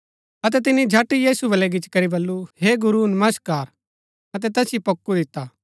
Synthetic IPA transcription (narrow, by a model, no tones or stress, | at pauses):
ɐt̪ɛt̪ɪnid͡ʒʱaːʈːijiːsubɐlɛɡɪt͡ʃkɐɾibɐlːuɦeːɡʊɾunɐməskaːɾ | ɐt̪̬ɛt̪ɛːsipɐkːud̪ɪt̪ːaː